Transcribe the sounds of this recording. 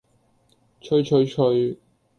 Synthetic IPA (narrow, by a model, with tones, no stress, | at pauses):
t͡ʃʰɵ˨˧ɥt͡ʃʰɵ˨˧ɥt͡ʃʰɵ˧ɥ